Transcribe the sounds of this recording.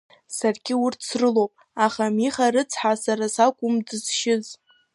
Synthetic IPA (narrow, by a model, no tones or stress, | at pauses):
sarɡʲɪʊrtʰsrɨlowpʼ | aχamiχaɾɨt͡sʰħasaɾasakʷʼʊmdɨz̥ʃɪz